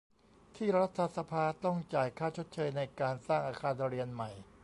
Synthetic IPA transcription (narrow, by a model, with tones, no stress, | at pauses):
t̪ʰiː˥˩ɾa˦˥t̪ʰːa˧sa˧pʰaː˧t̪ɔ˥˩ŋt͡ɕaː˨˩jkʰaː˥˩t͡ɕʰo˦˥t̪̚t͡ɕʰɤː˧jna˧jkaː˧nsaː˥˩ŋʔaː˧kʰaː˧n˧ɾi˧ənma˨˩j